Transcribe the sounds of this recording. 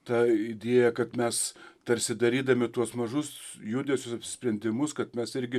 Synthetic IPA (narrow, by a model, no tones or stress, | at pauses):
t̪ɐɪd̪ʲeːjɛkɐt̪mʲɛst̪ɐɾʲsʲɪd̪ɐɾʲiːd̪ɐmʲɪt̪uɔsmɐʒʊsjud̪ʲesʲʊsɐpʲsʲɪ̥sʲpʲɾʲɛnʲd̪ʲɪmʊskɐt̪mʲɛsɪɾʲɡʲɪ